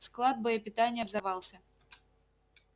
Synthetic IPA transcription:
sklˠad̪̚bəjəpʲɪt̪anʲɪjəvzɐvɑlˠsʲə

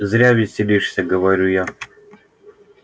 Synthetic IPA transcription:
zɾʲavʲɪsʲɪlʲiʂsʲɐɡəvɐɾʲuja

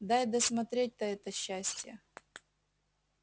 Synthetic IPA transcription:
d̪ajd̪əsmɐt̪ɾʲet̚ʲt̪ɐɛt̪əɕːæsʲtʲjə

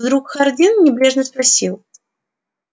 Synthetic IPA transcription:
d̪ɾukxɐrd̪ʲinnʲɪblʲeʐnəspɾɐsʲilˠ

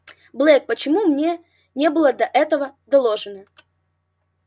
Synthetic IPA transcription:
blˠɛk̚pət͡ɕɪmumnʲe | nʲe̞bɨlˠəd̪ɐʔɛt̪əvəd̪ɐlˠoʐɨnə

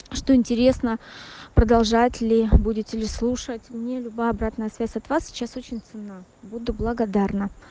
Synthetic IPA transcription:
ʂt̪o̞ɪnʲtʲɪɾʲe̞snəpɾəd̪ɐlˠʐatʲlʲɪbudʲɪtʲɪlʲɪslˠuʂətʲmnʲelʲʊbajɐbɾat̪nəjəsvʲæsʲɐt̪vasʲsʲɪ̥t͡ɕaso̞t͡ɕɪnʲt̪sɨnːabud̪ʊblˠəɡɐd̪arnə

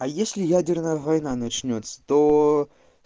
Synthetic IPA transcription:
ɐjesʲlʲɪjædʲɪrnəjəvɐjnanɐt͡ɕnʲot̪sə̥t̪o

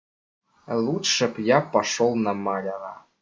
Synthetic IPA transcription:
lˠut̪ʂɤ̆pjɑpɑʂolˠnɑmɑlʲɑɾɑ̰

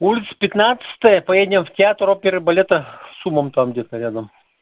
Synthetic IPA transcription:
ulʲɪt̪sə̥pʲɪt̪nat̪sɨ̥t̪əjəpɐjedʲnʲəmftʲɪat̪ropʲɪɾɨbɐlʲet̪əsuməmt̪amɡdʲet̪əɾʲad̪əm

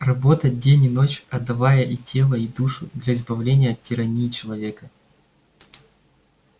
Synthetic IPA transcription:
rɐbo̞t̪ədʲenʲɪno̞t͡ɕɐd̪ːɐvajəʔitʲe̞lˠəid̪uʂʊd̪lʲɐɪzbɐvlʲenʲɪjəɐttʲːɪɾɐnʲiːt͡ɕɪlˠɐvʲe̞kə

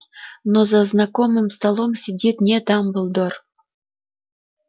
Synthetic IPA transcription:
nozaznakomɨmst̪alˠomsʲɪdʲit̪nʲet̪ɑmbɨlˠd̪or

